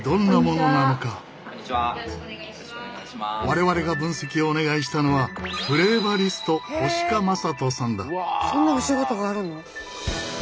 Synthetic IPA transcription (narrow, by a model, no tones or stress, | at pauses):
d̪õ̞nːamo̞no̞nano̞ka | βaɾe̞βaɾe̞ɡabɯ̟̃ɰ̃se̞kʲio̞ːne̞ɡaiɕ̬i̥t̪ano̞βabɯ̟ɾe̞ːbaɾʲisɨ̥t̪o̞ho̞ɕi̥kamasat̪o̞sãnd̪a̰sõnːaoɕiɡot̪oɡaaɾɯ̟̃no